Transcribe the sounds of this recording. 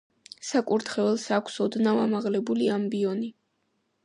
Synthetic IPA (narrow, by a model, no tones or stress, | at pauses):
sakʼuɾt̪ʰχɛvɛlˠsakʷʰsɔd̪navamaʁlɛbuliambiɔni